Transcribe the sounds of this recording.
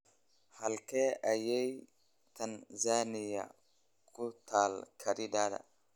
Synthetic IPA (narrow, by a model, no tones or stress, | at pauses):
hɐlkeːʔɐjɛj | t̪ɐnzaːnɪjɐ̰ | kʰʊt̪ʰaːlkʰɐɾɪd̪aːd̪ɐ̰